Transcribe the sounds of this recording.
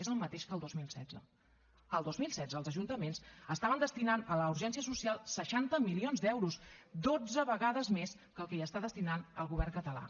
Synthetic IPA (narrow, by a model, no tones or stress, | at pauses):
ezəlˠmət̪eʃkəlˠd̪ozmilˠsɛd͡zə | əlˠd̪ozmilˠsɛdd͡zəːlˠzəʒunt̪əmensəst̪aβənd̪əst̪inanələuɾʒɛnsiəsusialˠsəʃant̪əmilionzd̪ɛwɾusd̪od͡zəβəɣaðəzmes | kəlˠkɛiəst̪aðəst̪inanəlˠɣuβ̞ɛrŋkət̪əla̰